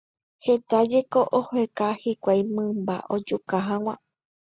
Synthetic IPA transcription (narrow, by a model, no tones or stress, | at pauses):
he̞t̪ad͡ʒe̞ko̞ʔohekahikʷajmɨ̃mba̰ʔod͡ʒukaɦãw̃ʷã̰